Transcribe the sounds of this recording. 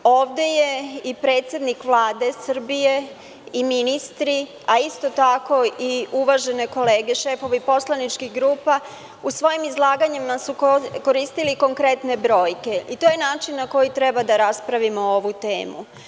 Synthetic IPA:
o̞ːʋd̪e̞je̞ipɾe̞ːt̪sje̞d̪nikʋlˠaːd̪e̞sr̩bije̞ | iminist̪ɾi | aist̪o̞t̪ako̞iuʋaʒe̞ne̞ko̞le̞ːɡe̞ʃefo̞ʋipo̞slˠanit͡ʃkixɡɾuːpa | usʋo̞jimizlˠaːɡaɲimasuko̞ɾist̪iliko̞ŋkɾe̞t̪ne̞bɾo̞ːjke̞it̪ojenaːt͡ʃinːako̞jit̪ɾe̞bad̪aɾaspɾaʋimooʋut̪e̞̰ːmṵ

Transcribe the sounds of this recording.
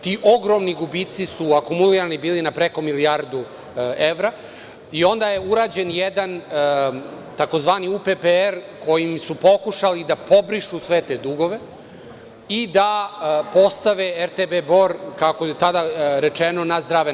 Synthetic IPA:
t̪iːʔo̞ɡɾo̞mniɡubit̪sisuakumuliɾanibiːlinapɾe̞ko̞miliaɾd̪u | eʋɾa | io̞nd̪aje̞uɾaːd͡ʑenjed̪an | t̪ako̞zʋaːniupepeeɾko̞jimsupo̞kuʃalid̪apo̞bɾiʃusʋet̪e̞ːd̪uɡo̞ʋe̞ | id̪apo̞st̪aʋeeɾt̪ebebo̞ɾkakoet̪ad̪aɾet͡ʃeno̞nazd̪ɾaːʋe

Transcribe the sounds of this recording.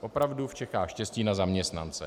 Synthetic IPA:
ʔo̞pɾavduft͡ʃɛxaːxʃcɛsciːnazamɲɛst̪nant͡sɛ

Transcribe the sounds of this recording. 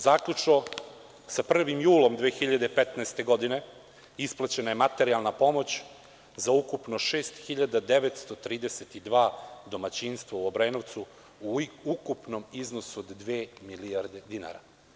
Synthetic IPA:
zaːkʎut͡ʂno | sapr̩ʋimjuːlo̞md̪ʋeːxiʎad̪epet̪naest̪e̞ɡo̞d̪ine̞ | isplˠat͡ɕe̞naje̞mat̪e̞ɾialˠnapo̞mo̞t͡ɕ | zaukupno̞ʃeːst̪xiʎad̪ad̪e̞ʋet̪st̪ot̪ɾiːd̪eset̪id̪ʋaːd̪o̞mat͡ɕinst̪ʋauobɾenoʋt̪su | uukupno̞miznosuod̪ːʋeːmiliaɾd̪ed̪ina̰ɾa

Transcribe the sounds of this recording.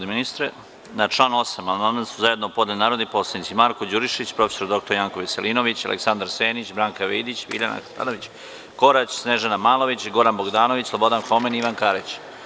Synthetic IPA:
d̪eminist̪ɾe | nat͡ʂlˠaːno̞samananasuzaje̞d̪nopo̞d̪enaːɾod̪nipo̞slanit̪simaɾkod͡ʑuɾiʃet͡ɕpɾo̞feso̞ɾd̪o̞k̚t̪oɾjaːŋkoʋiselino̞ʋit͡ɕa̰lʔḛksand̪aɾseːnit͡ɕbɾaːŋkaʋejd̪it͡ɕʋḭʎana̰xt̪a̰noʋit͡ɕ | ko̞ɾat͡ɕsneʒanamaːlˠo̞ʋit͡ɕɡo̞ɾanbo̞ɡd̪aːno̞ʋit͡ɕslˠo̞bo̞d̪anxo̞meniʋankaɾet͡ɕ

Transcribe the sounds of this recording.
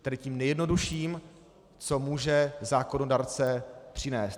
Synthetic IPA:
t̪ɛdɪciːmnɛjɛdno̞duʃiːm | t͡somuːʒɛzaːkonodaɾt͡sɛpr̝̥ɪnɛːst̪

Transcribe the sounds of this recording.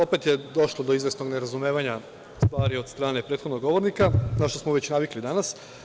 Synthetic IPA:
o̞pe̞t̪jed̪o̞ʃlˠod̪oizʋesno̞ɡneɾazumeːʋaɲa | st̪ʋaːɾio̞d̪st̪ɾaːne̞pɾet̪xo̞d̪noɡo̞ʋo̞ɾnikanaʃt̪osmoʋe̞t͡ɕnaʋiklid̪anas

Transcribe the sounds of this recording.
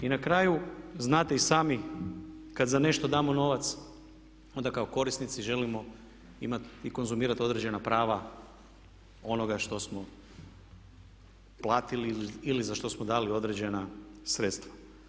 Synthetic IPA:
inakɾaːjuznaːt̪eisaːmi | kad̪zane̞ʃt̪o̞d̪aːmono̞ʋat̪s | o̞nd̪akaoko̞ɾisnit̪siʒe̞limo̞ | ḭmat̪iko̞nzumiːɾat̪o̞d̪ɾed͡ʑe̞napɾaːʋa | o̞no̞ɡaʃt̪o̞smo̞ | plˠaːt̪iliilizaʃt̪o̞smod̪aːlio̞d̪ɾed͡ʑe̞nasɾet̪st̪ʋa

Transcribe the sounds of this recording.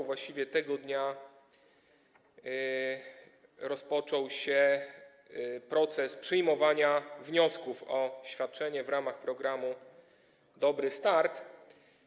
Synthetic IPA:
vwaɕt͡ɕivʲjɛt̪ɛɡɔd̪ɲa | ɾɔspɔt͡ʂɔwɕɛ | pɾɔt̪sɛspʂɘjmɔvaɲavɲɔskufɔɕfʲjat̪̚t͡ʂɛɲɛvɾamaxpɾɔɡɾamu | d̪ɔbɾɘst̪aɾt̪

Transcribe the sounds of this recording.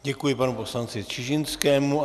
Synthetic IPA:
ɟɛkujɪpanupo̞slant͡sɪt͡ʃɪʒɪnskɛːmu

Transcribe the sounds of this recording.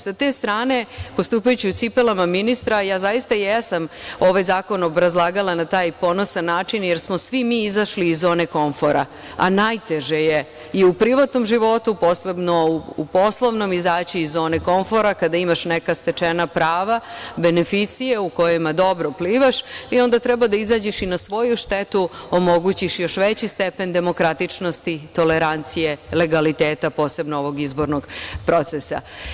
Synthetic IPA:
sat̪eːst̪ɾaːne̞po̞st̪uːpajut͡ɕiut̪sipelamaminist̪ɾajaːzajist̪ajesamo̞ʋajzaːko̞nobɾazlˠaːɡalˠanat̪aːjpo̞no̞sanːaːt͡ʃinjeɾsmo̞sʋimiːizaʃliːzo̞ːne̞ko̞ɱfo̞ɾa̰ | a̰najt̪eʒeje | iupɾiʋat̪no̞mʒiʋo̞t̪upo̞slebnoupo̞slˠoʋno̞mizaːt͡ɕiizo̞ːneko̞ɱfo̞ɾakad̪aimaʃnekast̪e̞t͡ʃenapɾaːʋabe̞ne̞fit̪sijeuko̞jemad̪o̞bɾopliːʋaʃio̞nd̪at̪ɾɛbad̪aizaːd͡ʑeʃinasʋo̞juʃt̪et̪uomo̞ɡut͡ɕiʃjo̞ʃʋet͡ɕist̪epe̞nd̪e̞mo̞kɾat̪it͡ʂno̞st̪it̪o̞leɾant̪sijele̞ɡalit̪eːt̪apo̞ːse̞bnooʋo̞ɡizbo̞ɾnoɡpɾo̞t̪sesa̰

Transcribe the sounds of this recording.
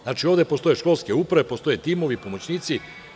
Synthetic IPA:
znaːt͡ʃio̞ʋd̪e̞post̪o̞jeʃko̞lˠskeupɾaʋepost̪o̞jet̪imo̞ʋipo̞mo̞t͡ɕniːt̪si

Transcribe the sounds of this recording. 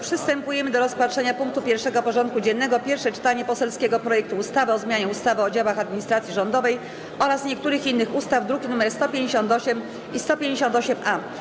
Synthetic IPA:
pʂɘst̪ɛmpujɛmɘd̪ɔɾɔspatʂɛɲapuŋk̚t̪upʲjɛɾfʂɛɡɔpɔʐɔnt̪̚kud͡ʑɛnːɛɡɔpʲjɛɾfʂɛt͡ʂɘ̥t̪aɲɛpɔsɛlskʲɛɡɔpɾɔjɛkt̪uːst̪avɘɔzmʲjaɲɛust̪avɘɔd͡ʑawaxad̪̚mʲiɲist̪ɾat̪sʲjiʐɔnd̪ɔvɛj | ɔɾasɲɛk̚t̪uɾɘxinːɘxust̪avd̪ɾuɡʲinumɛɾst̪ɔpʲjeɲd͡ʑeɕɔ̃nt̪ɔɕɛm | ist̪ɔpʲjeɲd͡ʑeɕɔnt̪ɔɕɛma

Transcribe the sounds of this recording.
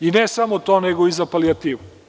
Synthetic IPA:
inɛsamot̪oneɡoizapaliat̪iːʋu

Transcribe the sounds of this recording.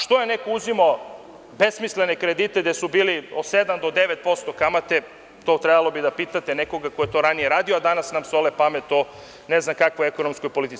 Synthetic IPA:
ʃt̪ojenekouzimo | besmislenekɾed̪it̪ed̪esubiːliod̪sed̪amd̪od̪eʋet̪̚po̞st̪okamat̪e | t̪oːt̪ɾebalˠobid̪apiːt̪at̪eneko̞ɡakojet̪o̞ɾanijeɾaːd̪ioad̪anasnamsolepamet̪o | neznamkakʋoeko̞nomskojpo̞lit̪i

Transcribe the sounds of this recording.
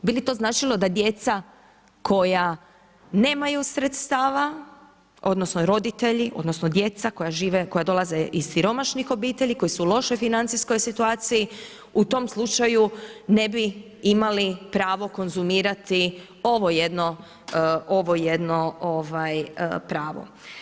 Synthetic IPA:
bilit̪o̞znaːt͡ʃilˠo̞d̪ad̪je̞t̪sa | ko̞ja | ne̞ːmajusɾet̪st̪aːʋa | o̞d̪no̞sno̞ɾo̞d̪it̪e̞ʎiʔo̞̰d̪no̞sno̞d̪je̞t̪sako̞jaʒiːʋeko̞jad̪o̞lˠaze̞ʔiz̥siɾo̞maʃnixo̞biːt̪eʎikojisulˠo̞ʃo̞jfinant̪sisko̞jsit̪uaːt̪siji | ut̪o̞mslˠut͡ʃajune̞bi | imalipɾaːʋo̞ko̞nzumiːɾat̪i | o̞ʋo̞jed̪no̞ | o̞ʋo̞jed̪no̞oʋajpɾaːʋo̞̰

